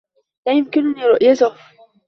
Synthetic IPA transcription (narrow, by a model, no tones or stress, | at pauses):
lajɪmkɪnniːɾʊʔjat̪ʊh